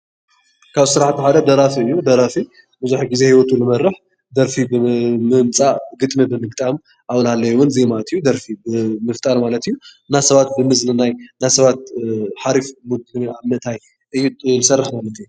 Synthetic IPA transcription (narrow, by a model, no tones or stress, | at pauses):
kʰaβsɨɾaħt̪ʰħad̪ɐd̪ɐɾafiɨjːud̪ɐɾafi | bɨzuħiɡize̞hiwɔt̪ʰulɨmɐrːɨħ | d̪ɐɾfibɨmɨmt͡sʼaɡɨt̪ʼmɨbɨmɨɡt̪ʼam | ʔawlhalːɐjwʊnzemalɐt̪ʰɨjːud̪ɐɾfibɨmɨft̪ʼaɾmalɐt̪ʰɨjːu | nasɐβat̪̚bɨmɨznɨnajnajsɐβat̪̚ħaɾifmud̪ɨnaβmɐt̪ʰaj | ʔɨjːunɨsɐrːaħmalɐt̪ʰɨjːu